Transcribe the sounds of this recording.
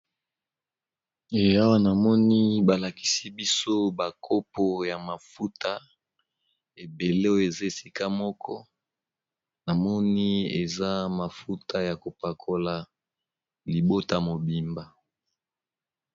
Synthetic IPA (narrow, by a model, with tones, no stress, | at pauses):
e˨a˦wa˦na˨mɔ˦ni˦ba˨la˨ki̥˨si˦bi˦so˦ba˨kʰo˦po˨ja˨ma˨fu˦ta˦ | e˨be˨le˦o˦je˨za˦e˨si˨ka˦mɔ˦kʰɔ˦ | na˨mɔ˦ni˦ḛ˨za˦ma˨fu˦ta˦ja˨ko˨pa˨kʰo˦la˨ | li˨bo˦ta˨mo˨bi˨mba˨